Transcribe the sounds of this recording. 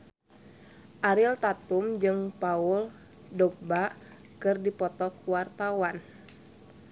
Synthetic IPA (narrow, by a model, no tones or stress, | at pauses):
ʔaɾilt̪at̪umd͡ʒɨŋpaul | dɔk̚ba | kɨrdipɔt̪ɔkwart̪awan